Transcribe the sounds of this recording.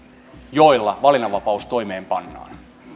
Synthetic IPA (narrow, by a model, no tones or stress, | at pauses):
joilːɑʋɑlinɑʋɑpɑust̪o̞imeːmpɑnːɑ̰ːn